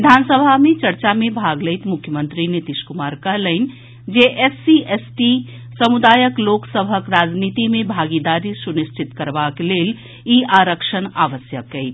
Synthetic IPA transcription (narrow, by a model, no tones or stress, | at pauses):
ʋid̪ʱansəbʱamet͡ʃəɾt͡ʃamebʱaɡləjt̪mʊkʰːjəmənt̪ɾinit̪iʃkumaɾkəɦləɪn | d͡ʒeʔesiesʈi | səmud̪aːjəkloksəbʱəkɾad͡ʒnit̪imebʱaɡid̪aɾisunist͡ʃit̪kəɾbakelel | iaɾəkʃənaʋəsjəkːəɪt̪